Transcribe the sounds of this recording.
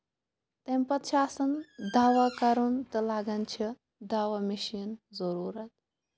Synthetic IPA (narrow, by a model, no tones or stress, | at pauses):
t̪empɐt̪ʃʰaːsɐnd̪aːʋakɐɾunt̪ɨlaːɡɐnt͡ʃʰi | d̪aːʋamiʃinzɐɾuːɾɐt̪̚